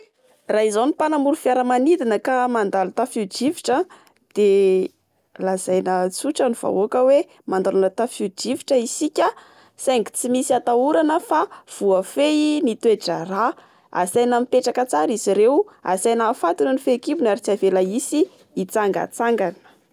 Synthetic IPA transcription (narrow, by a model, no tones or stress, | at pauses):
raɦizanipanamuɾufjaɾəmanid̪inəkamand̪alut̪afud͡ʒivi̥ʈ͡ʂə | d̪̥e | laz̥ajnət͡suʈ͡ʂəniv̥a̰okəwe | mand̪alanət̪afud͡ʒiviʈ͡ʂəisikʲə | saŋɡi̥t͡simisiat̪auɾanəfav̥uəfenit̪weʈ͡ʂara | a̰sajnamipeʈ͡ʂakət͡saɾiziɾewa̰sajnafat̪unənifekivunaɾit͡savelaisiː | t͡saŋɡa̰t͡saŋɡanə̥